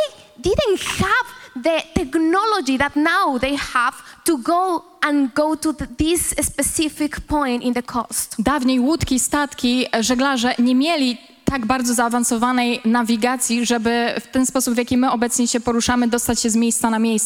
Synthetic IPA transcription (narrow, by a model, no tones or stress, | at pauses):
eɪ | d̪ɪdə̃nthavðət̪ɛknɔlɔd͡ʒiðatnawðejhav̥tuɡoʊ | ə̃nɡoʊtuðɪsspɛsɪfikpɔ̃j̃ntɪ̃nðəkʰɔ̰st̪d̪avɲejwut̪kʲist̪at̪kʲiʐɛɡlaʐɛɲɛmʲjɛlʲi | t̪aɡbaɾd̪zɔzaːvansɔvanɛjnavʲiɡat̪sʲjiʐɛbɘft̪ɛnspɔsupvjakʲimɘɔbɛt̪sɲɛɕɛpɔɾuʂamɘd̪ɔst̪at͡ɕɕɛzmʲjejst̪sanamʲjejs